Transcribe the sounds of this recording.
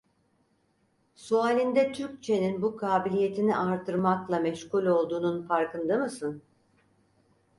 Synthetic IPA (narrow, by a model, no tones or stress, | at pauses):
suaːlʲind̪ɛt̪ʰyɾc̚t͡ʃʰe̞ninbukʰaːbilʲije̞t̪ʰiniʔaɾt̪ʰɯɾmaklˠamɛʃkulʲo̞lˠd̪uːnunfaɾkɯnd̪ɯmɯsɯn